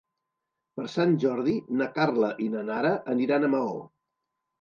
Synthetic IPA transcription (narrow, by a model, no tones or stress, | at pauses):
pəɾsanʲʒɔɾðinəkarləʔinənaɾəʔəniɾanəmao